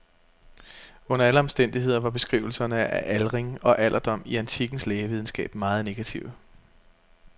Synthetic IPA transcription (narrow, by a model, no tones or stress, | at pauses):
ɔ̽n̰ɐæləɒ̽msd̥en̰d̥iɦe̝ð̰ˠɐʋɑ̈b̥e̝sɡ̥ʁiːʊl̩sɐnəæʔælʁeŋɒ̽ʔælʔɐd̥ɒ̽m̰iænt͡sʰiɡ̥n̩sleːʋið̞ˠn̩sɡ̥ɛ̰ːb̥mɑ̈ːð̞̩ˠne̝ɡ̥æt͡sʰiʊ